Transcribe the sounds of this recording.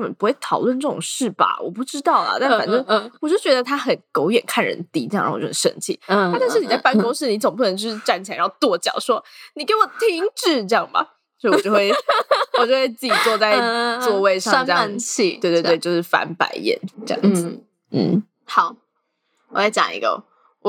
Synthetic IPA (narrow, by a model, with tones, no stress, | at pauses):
mə˨˩pu˥xwe˥˩ɪt̪ʰɑ˨˩ʊlwə˥˧nʈ͡ʂɤ˥˩ʈ͡ʂʊ˨˩ŋʂɻ̩˥˩ba̰˩wɔ̰˨˩pu˥˩ʈ͡ʂɻ̩˥t̪ɑ˥˩ʊlə̰˩t̪a˥˩fa̰˨˩nʈ͡ʂə˥ŋwɔ˨˩jo˥˩t͡ɕɥɛ˧˥d̪ə˧t̪ʰa˥xə˨˩nko˧˥ʊjɛ̰˨˩nkʰa˥˩nɻə̰˧˥nt̪i˥ʈ͡ʂ̩˥˧˥ʂə̰˧nt͡ɕʰḭ˥˩˥t̪a˥˧nɻ̩˥˩ni˨˩t͡sa˥˩a˥nkʊ˥ŋʂɻ̩˥˩ni˧˥t͡so˨ŋpu˥˩ə˩ə˧˦ŋt͡ɕo˥˧ʂ̩˥˧ʈ͡ʂa˥˩nt͡ɕʰi˨˧˥t̪wɔ˥˩t͡ɕjɑ̰˨˩ʊʂwɔ˥ni˨˩ke˧˥wɔ˨˩t̪ʰi˥ŋʈ͡ʂɻ̩˥˧ʈ͡ʂɤ˧jɑ˥˩ŋbɐ̰˩ | t͡ɕo˥˧˥wt͡ɕo˥ʊ˥we˥˩ɔ˨˩t͡ɕo˥ʊxwe˥˧t͡sɨ˥˩t͡ɕi˨˩t͡swɔ˥˧t͡sa˥˧ɪt͡swɔ˥˧we˥˧ɪʂɑ˥ŋ˥ʈ͡ʂe˥˧ja˥˧nt͡ɕʰi˥˧we˥˧ɪt̪w̪twɪt͡ɕo˧ʂɻ̩˥˩fa̰˧˥npa̰˧˥ɪjɛ̰˨˩˦nʈ͡ʂɤ˥˧jɑ̰˥˩ŋ̩˥d͡z̩˩ | n̩˥˩ | hɑ˨˦ʊ | wɔ˨˩la˥ɪt͡ɕjɑ˨˩ŋḭ˧˥ɡə̰˧ | wɔ˨˩